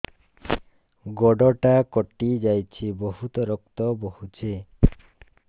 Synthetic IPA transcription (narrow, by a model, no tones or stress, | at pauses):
ɡɔɖɔʈakɔʈid͡ʒajt͡ʃʰiboɦut̪ɔɾɔk̚t̪ɔbohut͡ʃʰi